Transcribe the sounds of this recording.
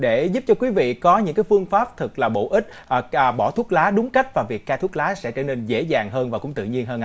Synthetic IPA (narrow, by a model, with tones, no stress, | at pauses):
ɗe˧˩zu˦˥p̚t͡ɕɔ˧kwi˨˦vḭ˧˨kɔ˨˦ɲɨ̰˧˥ŋkaː˨˦jfɨ˧əŋfaː˦˥p̚t̪ʰɨ˨˩k̚laː˨˩ɓo̰˧˨ʔï˦˥t̟̚ʔːɓɔ˧˩t̪ʰu˦˥ət̚laː˨˦ɗʊ˨˦ŋ͡mka˦˥jk̟̚vaː˨˩vi˨˩kːaː˧t̪ʰət̚laː˨˦sɛ̰˧˥t͡ɕəː˧˩ne˧nzḛ˧˥zaː˨˩ŋɦəː˧nvaː˨˩kʊ̰˧˥ŋ͡mt̪ɨ̰˧˨ɲi˧ənɦəː˧nʔa˧˦